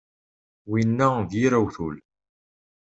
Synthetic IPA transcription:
winːæðjiɾæwθul

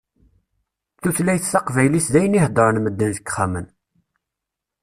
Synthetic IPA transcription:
θuθlæjθsɑqvæjlisd̪æjənihd̪ˤəɾənməd̪ːənðəkːχæmən

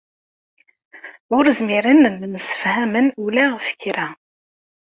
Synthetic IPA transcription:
ʊɾəzmiɾənðəmsə̥fhæmənulæʁəfə̥çɾæ

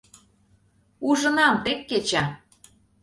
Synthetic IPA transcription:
uʒɤ̆nɑmt̪ekːet͡ɕæ

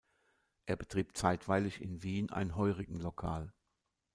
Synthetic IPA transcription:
ʔeːɐbətʁ̥iːp̚t͡saɪtv̥aɪlɪçɪ̰nviːnʔa̰ɪnənɦɔʏʁɪɡŋ̩lokʰaːl

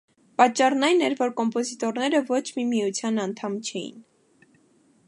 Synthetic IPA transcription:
pɑt͡ʃːɑrnɑjnɛɾvɔɾkɔmpɔzit̪ɔɾnɛɾəvɔt͡ʃʰmimijut͡sʰjɑnɑnt̪ʰɑmt͡ʃʰɛjḭn

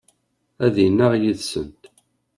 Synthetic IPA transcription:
æðjənːaʁjiðsənt̪

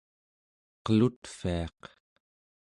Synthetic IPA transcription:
qəlut̪fiɑq

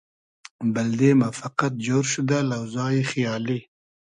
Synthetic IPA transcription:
bald̪emafaqat̪̚d͡ʒoːɾʃʊd̪alawzɑːjixjɑːli

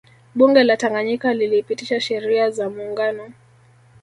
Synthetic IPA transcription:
ɓuŋɡɛlataŋɡaɲikalilipitiʃaʃɛɾiazamuːŋɡanɔ

